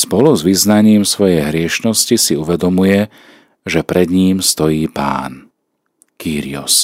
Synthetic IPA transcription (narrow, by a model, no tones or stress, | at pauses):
spɔluzʋiznaɲiːmsʋɔjɛjɦɾɪɛʃnɔscisiuʋɛd̪ɔmujɛ | ʒɛpɾɛd̪ɲiːmst̪ɔjiːpa̰ːn | kiːɾḭɔ̰s